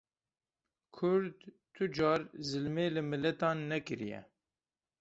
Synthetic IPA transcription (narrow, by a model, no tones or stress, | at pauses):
kʰʊɾd̪ | t̪ʰud͡ʒɑːɾzɨlmeːlɨmɨlɛt̪ɑːnːɛkɨɾijɛ̰